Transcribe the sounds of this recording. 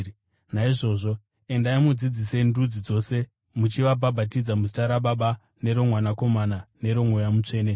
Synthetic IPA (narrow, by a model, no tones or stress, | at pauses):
naiʐo̞ːʐo̞ | e̞ndaimud͡zid͡zise̞ndud͡zid͡zo̞se̞ | mut͡ʃiʋabʱabʱatid͡zamusi̥taɾaɓaɓa | ne̞ɾo̞mwanako̞manane̞ɾo̞mwojamut͡ʂe̞ːne